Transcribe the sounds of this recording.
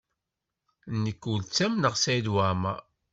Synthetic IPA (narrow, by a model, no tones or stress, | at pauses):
nːikːult͡sːæmnəʁsæjd̪wamæ